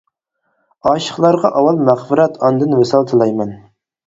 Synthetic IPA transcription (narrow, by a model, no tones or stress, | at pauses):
ɑːʃə̥χlˠɑɾʁɑʔɑwɑlˠmæχfɪɾɛt̪ʰɑnd̪ɨnvesɑlˠt̪ʰɨlˠɑjmɛn